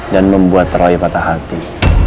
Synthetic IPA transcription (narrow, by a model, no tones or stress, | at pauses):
danməmbuat̪ːrɔjpat̪aɦat̪i